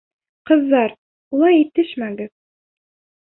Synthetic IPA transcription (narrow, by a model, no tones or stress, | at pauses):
qɤ̆zːɑɾ | ulˠɑjit̪ɘʃmæɡɘð